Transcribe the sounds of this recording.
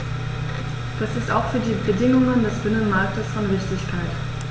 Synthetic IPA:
d̥asɪstaʊxfyːɐdiːbədɪŋʊŋəndɛsb̥ɪnənmaɐk̚təsfɔnʁɪçtɪçkʰaɪt

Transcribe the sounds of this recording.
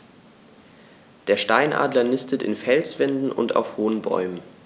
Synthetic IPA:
d̥eːɐʃtaɪnʔa̰ːdlɐnɪstətɪ̰nfɛlt͡sv̥ɛndn̩ʔʊ̰nta̰ʊfhoːənbɔ̰ʏmən

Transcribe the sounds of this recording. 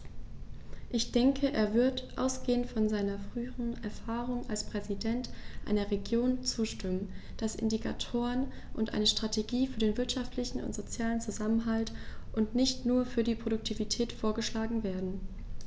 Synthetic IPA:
ʔɪçd̥ɛŋkʰəʔeːɐvɪɐtʔa̰ʊsɡ̥eːəntfɔnzaɪnɐfʁ̥yːəʁənɛ̰ɐfaːʁʊŋʔa̰lspʁ̥ɛzidɛntʔa̰ɪnɐʁeɡjoːnt͡suːʃtʏmənd̥asʔɪ̰ndikʰa̰tʰoːʁən | ʔʊntʔa̰ɪnəʃtʁ̥atʰeɡiːfyːɐdeːnvɪɐtʃaftlɪçn̩ʊ̰ntz̥ot͡sjaːlənt͡suzamənɦaltʔʊntnɪçtnuːɐfyːɐdiːpʁ̥oɾʊk̚tʰivitʰɛːtfoːɐɡəʃlaːɡŋ̩veːɐdn̩

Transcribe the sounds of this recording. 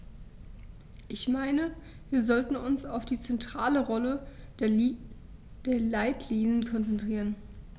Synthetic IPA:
ʔɪçmaɪnə | viːɐzɔltn̩ʊnsaʊfd̥iːt͡sɛntʁ̥aːləʁɔlə | d̥eːɐlaɪtʰliːnənkʰɔnt͡sɛntʁ̥iːʁ̞ən

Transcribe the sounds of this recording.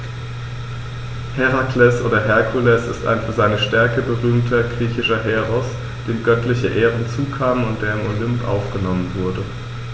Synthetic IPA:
hɛʁaklɛsʔoːdɐɦɛɐkʰulɛsɪ̰sta̰ɪnfyːɐzaɪnəʃtɛɐkəbəʁyːmtʰɐɡʁiːçɪʃɐɦɛːʁɔs | d̥eːmɡœtlɪçəʔeːʁənt͡suːkʰaːməʊntd̥eːɐɪmolʏmpʔa̰ʊfɡ̥ənɔmənvʊɐdə

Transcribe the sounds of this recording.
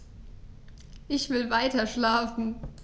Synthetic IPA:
ʔɪçv̥ɪlvaɪtɐʃlaːfn̩

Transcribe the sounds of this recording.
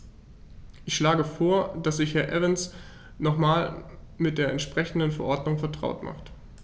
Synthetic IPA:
ʔɪçʃlaːɡəfoːɐd̥asz̥ɪçhɛɐʔɛvɪns | nɔχmaːl | mɪt̚d̥eːɐɛntʃpʁ̥ɛçn̩dənfɛɐʔɔɐdnʊŋfɛɐtʁ̥a̰ʊtmʔa̰χt

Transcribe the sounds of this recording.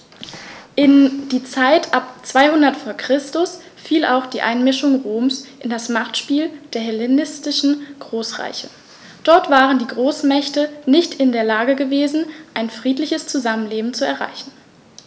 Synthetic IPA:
ʔɪnd̥iːt͡saɪtʰʔapt͡sv̥aɪhʊndɐtfoːɐkʁ̥ɪstʊs | fiːla̰ʊxd̥iːʔa̰ɪnmɪʃʊŋʁoːmsʔɪndasmaχtʃpiːld̥eːɐɦɛlenɪstɪʃn̩ɡ̥ʁoːsʁa̰ɪçə | d̥ɔɐtv̥aːʁəndiːɡʁoːsmɛçtənɪçtɪndeːɐlaːɡəɡəveːzn̩ʔaɪnfʁ̥iːtlɪçəst͡suzamənleːbm̩t͡suɛ̰ɐʁa̰ɪçn̩

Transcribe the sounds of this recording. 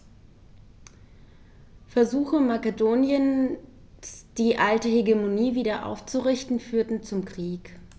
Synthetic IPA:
fɛɐzuːxəmakədoːnjən | sd̥iːʔaltəheɡemoniːviːdɐʔa̰ʊft͡suʁɪçtn̩fyːɐtn̩t͡sʊmkʁ̥iːk

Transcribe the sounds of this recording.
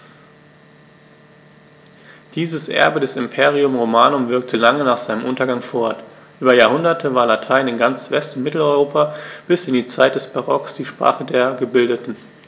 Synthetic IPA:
d̥iːzəsʔɛ̰ɐbədɛsɪmpʰeːʁiʊmʁomaːnʊmvɪɐk̚tʰəlaŋənaːχz̥aɪnəmʔʊntɐɡaŋfɔɐɐt | ʔyːbɐjaːɐhʊndɐtʰəvaːɐlatʰaɪnɪnɡant͡sv̥ɛstʊntmɪtl̩ɔʏʁoːpab̥ɪsɪndiːt͡saɪt̚d̥ɛsb̥aʁɔksd̥iːʃpʁ̥a̰ːχədeːɐɡəbɪldətn̩

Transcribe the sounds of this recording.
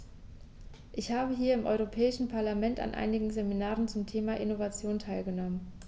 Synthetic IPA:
ʔɪçhaːbəɦiːɐɪmʔɔ̰ʏʁopʰɛːɪʃn̩pʰaɐlamɛnta̰nʔa̰ɪnɪɡŋ̩zeminaːʁənt͡sʊmtʰeːmaʔɪnovat͡sjoːntʰaɪlɡənɔmən

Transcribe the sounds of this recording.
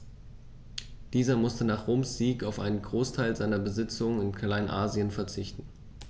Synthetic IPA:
d̥iːzɐmʊstənaːχʁ̥oːmsz̥iːkaʊfʔa̰ɪnənɡʁoːstʰaɪlzaɪnɐbəzɪt͡sʊŋənɪnkʰalaɪnʔaːziənfɛɐt͡sɪçtn̩

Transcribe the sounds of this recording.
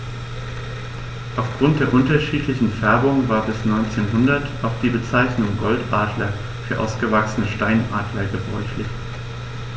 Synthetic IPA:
ʔaʊfɡ̥ʁʊnt̚d̥eːɐʔʊntɐʃiːtʰlɪçn̩fɛɐbʊŋvaːɐbɪsnɔʏnt͡seːnɦʊndɐtʔaʊxd̥iːbət͡saɪçnʊŋɡɔltʔaːdlɐ | fyːɐʔa̰ʊsɡ̥əvaksənəʃtaɪnʔaːdlɐɡəbʁɔʏçlɪç

